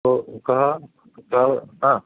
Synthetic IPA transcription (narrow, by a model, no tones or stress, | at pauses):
okɐɦa | kaɦãː